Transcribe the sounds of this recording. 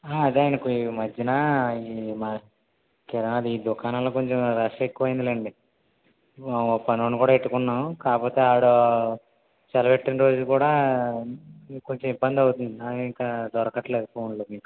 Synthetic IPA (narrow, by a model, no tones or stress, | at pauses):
aːɐd̪eaːjnɐkimɐd͡ʒːɐnaimɐ | kɛɾɐnaɐd̪iiːd̪ukaːnɐlo̞ːko̞ɲt͡ʃemɾɐʂɐekːuʋɐjind̪ileɳɖi | pɐnonikuːɽaːeʈːukunːaːmukaːpo̞ːt̪e̞ːaːɽo | t͡ʃɛlɐpeʈːɐnɾo̞ːd͡ʒukuːɽaː | koɲt͡ʃɐmibːɐnd̪ɐwut̪und̪inaːiŋkaːd̪ɔɾɐkɐʈːɐleːkpʰo̞ːnloːmiːku̥